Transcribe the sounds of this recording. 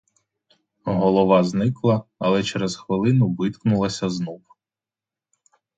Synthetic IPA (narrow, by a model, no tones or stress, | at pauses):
ɦɔlˠɔʋɑznɪklˠɐɐlˠɛt͡ʃeɾɛzxʋɪlˠɪnʊʋɪt̪knʊlˠɐsʲɐznɔw